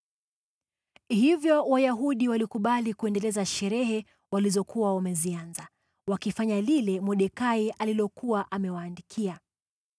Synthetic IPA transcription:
hivjɔwajaɦuɗiwalikuɓalikuɛndɛlɛzaʃɛɾɛɦɛ | walizɔkuwawamɛzianza | wakifaɲalilɛmɔɗɛkaiʔalilɔkuwaʔamɛwaːndikʰia

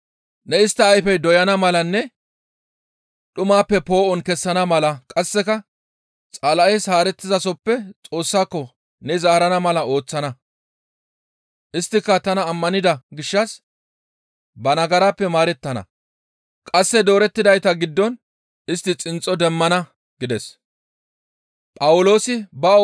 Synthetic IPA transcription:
nɛɪst̪ːɐːjfɛjd̪ɔjɐnɐmɐlɐnːɛ | ɗʊmaːpːɛpo̞ːʔɔnkɛsːɐnɐmɐlɐkʼɐsːɛkɐ | t͡sʼalɐʔɛjshaːɾɛt̪ːɪzɐsɔpːɛt͡sʼo̞ːsːaːkːɔ | nɛzaːɾɐnɐmɐlɐo̞ːt͡sːɐnɐ | ʔɪst̪ːɪkːɐt̪ɐnɐːmːɐnɪd̪ɐɡɪʃːɐs | bɐnɐɡɐɾaːpːɛmaːɾɛt̪ːɐnɐ̰ | kʼɐsːɛd̪o̞ːɾɛt̪ːɪd̪ɐjt̪ɐɡɪd̪ːɔn | ɪst̪ːɪt͡sʼɪnt͡sʼːɔd̪ɛmːɐnɐ | ɡ̥ɪd̪ɛs | pʼɐwʊlo̞ːsɪbɐɔ

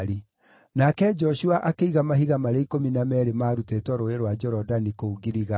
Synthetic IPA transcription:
ɾi | nakɛd͡ʒɔʃuaʔakeiɣamaɦiɣamaɾeikominamɛɾemaːɾutetwɔɾoeɾwad͡ʒɔɾɔdanikouɡiɾiɣa

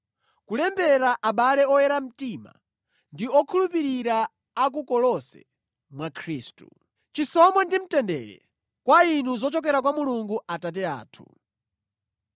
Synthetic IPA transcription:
kulɛmbɛɾaʔaɓalɛɔjɛɾam̩tiːma̰ | ndiɔkʰulupiɾiɾa | ak̬ukɔlɔsɛ̰ | mwakʰɾiːstṵ | t͡ʃisɔmwandim̩tɛndɛɾɛ̰ | kwainuzɔt͡ʃɔk̬ɛɾakwamuluŋɡuatat̬ɛa̰ːtʰu

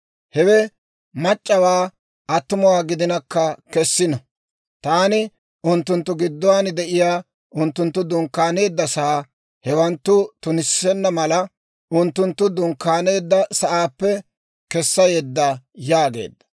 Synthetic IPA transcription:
hɛwɛ | mɐt͡ʃʼːɐwaː | ʔɐt̪ːʊmʊwaːɡɪd̪ɪnɐkːɐkɛsːɪnɔ | t̪aːnɪ | ʊnt̪ːʊnt̪ːʊɡɪd̪ːɔwaːnd̪ɛʔɪjaː | ʔʊnt̪ːʊnt̪ːʊd̪ʊŋkːaːne̞ːd̪ːɐsɐ | hɛwɐnt̪ːʊt̪ʊnɪsɛnːɐmɐlɐ | ʊnt̪ːʊnt̪ːʊd̪ʊŋkːaːne̞ːd̪ːɐsɐʔaːpːɛ | kɛsːɐjeːd̪ːɐjaːɡe̞̰ːd̪ːɐ̥

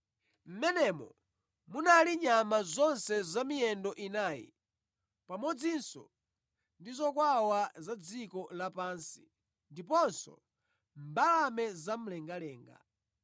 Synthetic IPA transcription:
m̩mɛnɛmɔ̰ | munaliɲamazɔnsɛzamijɛndɔʔinaːjḭ | pamɔd͡zinsɔ̰ | ndizɔkwawazad͡zikɔlapaːnsi | ndipɔnsɔ̰ | mbalamɛzam̩lɛŋɡalɛːŋɡa̰

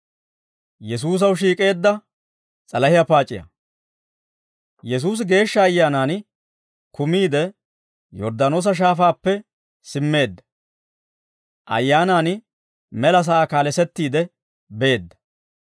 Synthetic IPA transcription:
jɛs̬uːs̬ɐwʃiːkʼe̞ːd̪ːɐ | t͡sʼɐlɐhɪjɐpaːt͡ʃʼːɪjɐ̰ | jɛs̬uːs̬ɡe̞ːʃːɐːjːaːnaːn | kʊmiːd̪ɛ | jɔ̰ɾd̪aːno̞ːs̬ɐʃ̬aːfaːpːɛ | sɪmːe̞ːd̪ːɐ̥ | ʔɐ̰jːaːnaːn | mɛlɐs̬aakaːlɛsɛt̪ːiːd̪ɛ | be̞ːd̪ːɐ̥

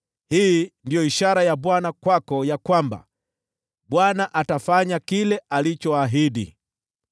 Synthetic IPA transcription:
hiːndijɔiʃaɾajaɓwanakwakɔjakwamba̰ | ɓwanaʔatafaɲakilɛalit͡ʃɔaɦiɗḭ

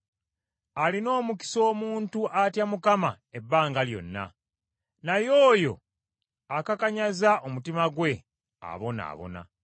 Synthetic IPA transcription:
alino̞ːmuki̥so̞ːmuːntuʔatjamukama | ebːaːŋɡaljo̞̰nːa̰ | najo̞ːjo̞̰ | akakaɲazaʔomutimaɡwe̞ | a̰βo̞na̰ːβo̞̰na̰

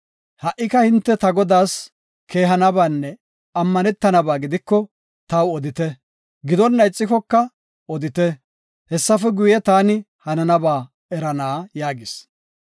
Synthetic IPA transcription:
hɐʔːɪkɐhɪnt̪ːɛt̪ɐɡɔd̪aːs | kʰe̞ːɦɐnɐbaːnːɛ | ɐmːɐnɛt̪ːɐnɐbaːɡɪd̪ɪkːɔ | t̪ɐwɔd̪ɪt̪ɛ | ɡɪd̪ɔnːɐjt͡sʼːɪkɔkːɐ | ɔd̪ɪt̪ɛ | hɛsːɐfɛɡʊjɛt̪aːnɪ | hɐnɐnɐbaː | ɛɾɐnaːjaːɡɪs

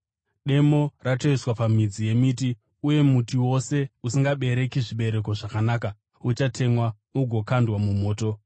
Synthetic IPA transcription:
ɗe̞mo̞ratoiswapamid͡zije̞miːti | uje̞mutiwo̞se̞usiŋɡaɓe̞ɾe̞kiʐiɓe̞ɾe̞ko̞ʐakanaːka | ut͡ʃatʰe̞mwa | uɡʱo̞kandwamumo̞ːto̞

